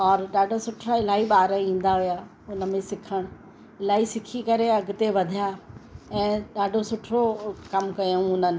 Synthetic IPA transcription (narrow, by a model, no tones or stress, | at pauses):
ɔːɾɗaːɖʱosʊʈʰɾaɪlaːiɓaːɾəĩːn̆d̪aɦʊja | ʊnəmẽsɪkʰəɽ̃ | ɪlaːisɪkʰikɐɾeɐɡʊ̆t̪eʋɐd̪ʱijaɛ̃ːɗaːɖʱosʊʈʰɾokɐmkɐjũʊnənɪ̆